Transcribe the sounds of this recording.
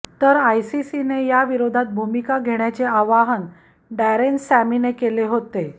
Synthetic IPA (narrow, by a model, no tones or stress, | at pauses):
t̪əɾajsisinejaʋiɾod̪ʱat̪̚bʱumikaɡʱeɳ̃jat͡seaʋaɦən | ɖæɾensæminekeleɦot̪e